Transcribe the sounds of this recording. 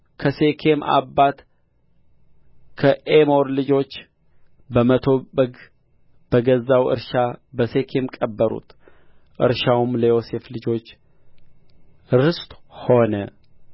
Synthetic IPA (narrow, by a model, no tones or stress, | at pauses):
kʰəse̞kʰe̞ma̰bːat̪ | kʰəʔemo̞ɾlɨd͡ʒo̞t͡ʃː | bəmət̪ʰo̞bəɡ | b̥əɡəzːawɨ̰ɾʃabəse̞kʰe̞mkʼəbːəɾṵt̪ʰ | ʔɨ̰ɾʃawmləjose̞flɨd͡ʒo̞t͡ʃː | ɾɨst̪ʼho̞nə